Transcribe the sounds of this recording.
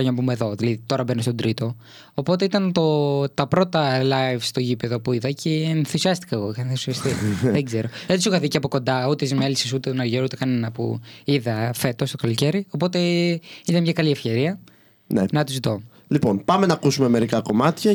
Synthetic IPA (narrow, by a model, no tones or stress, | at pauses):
ɐʝɐnɐpumeðo̞ðilɐðit̪o̞ɾɐbenost̪od̪ɾit̪o̞ː | po̞t̪e̞it̪ɐnt̪o̞t̪ɐpɾo̞t̪ɐlɐjvst̪o̞ʝipeðo̞puiðɐcʰenθisiɐst̪i̥kɐeɣoenθisiɐst̪iðeɡze̞ɾo̞ðet̪isuɣɐðiceɐpo̞ko̞nd̪ɐut̪eizmelisisut̪et̪onɐɾʝeɾut̪e̞kɐne̞nɐpṵiðɐfe̞t̪o̞st̪okɐloce̞ɾio̞po̞t̪e̞it̪ɐnmɲɐkɐliefçe̞ɾiɐ | nḛnɐt̪uzit̪o̞ | lipo̞npɐmenɐːkusumeme̞ɾikɐko̞mɐt̪çɐ